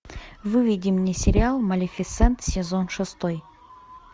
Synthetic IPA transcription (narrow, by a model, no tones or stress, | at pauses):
vɨvʲidʲɪmnʲesʲɪɾʲɪalˠmɐlʲɪfʲɪt̪sɛnt̪sʲɪzonʂɨst̪oj